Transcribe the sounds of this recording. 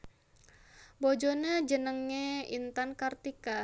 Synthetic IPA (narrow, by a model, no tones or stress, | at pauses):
bɔd͡ʒɔnad͡ʒənəŋɲeḭnt̪ankart̪ika